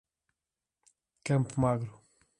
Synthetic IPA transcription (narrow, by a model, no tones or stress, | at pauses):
kɐ̃mpumaɣɾu